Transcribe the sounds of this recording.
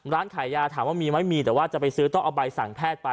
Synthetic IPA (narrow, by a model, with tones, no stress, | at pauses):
ɾaː˦˥nkʰaː˨˩˦jaː˧t̪ʰaː˩˦mwaː˥˩miː˧ma˦˥˩jmiː˧t̪ɛː˨˩˦waː˥˩t͡ɕa˨˩pa˧jsɯː˦˥t̪ɔ˥˩ŋʔa˧ba˧jsa˨˩˦ŋpʰɛː˥˩t̪̚pa˧